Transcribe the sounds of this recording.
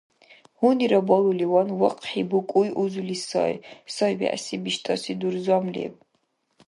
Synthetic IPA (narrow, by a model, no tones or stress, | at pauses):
huniɾabɔlˠuliwanwaqʼħibukʷʼujʔuzulisɔ̰jsɔjbḭʕʔasibiʃt̪ʼɔsid̪urzwamlḭɛ̰b